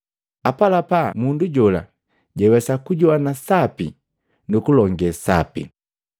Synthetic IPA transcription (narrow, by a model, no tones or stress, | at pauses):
apalapamunduɟɔla̰ | ɟɛwɛsakuɟɔwanasapi | nukulɔŋɡɛsa̰pḭ